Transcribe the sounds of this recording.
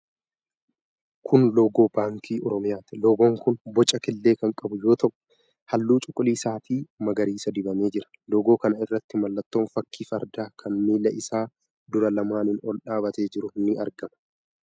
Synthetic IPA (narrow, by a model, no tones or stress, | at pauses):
kʰʊnlo̞ːɡo̞ːbaːŋkʰiːʔɔɾɔmɪjaːt̪ɪloːɡo̞ːŋkʊnbɔt͡ʃʼɐkɪlːe̞ːkɐŋkʼɐbʊjo̞ːt̪ʰɐʔʊ̥ | hɐlːuːt͡ʃʼʊkʼːʊliːsaːt̪iːmɐɡɐɾiːsɐd̪ɪbɐme̞ːd͡ʒɪɾɐ̥loːɡo̞ːkɐnɐɪrːɐt̪ːɪmɐlːɐt̪ːo̞ːnfɐkʰːiːfɐɾd̪aːkʰɐnmiːlɐʔɪsaː | d̪ʊɾɐlɐmaːnɪnɔlᶑaːbɐt̪e̞ːd͡ʒɪɾʊnːɪɐɾɡɐmɐ̥